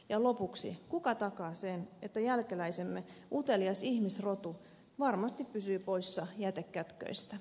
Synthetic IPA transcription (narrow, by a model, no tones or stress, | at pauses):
jɑlopuksḭkukɑt̪ɑkɑːsenet̪ːæjælkelæisemːeut̪eliɑsihmisrot̪u | ʋɑrmɑst̪ippysyːpoisːɑjæt̪ekːæt̪kø̰ist̪æ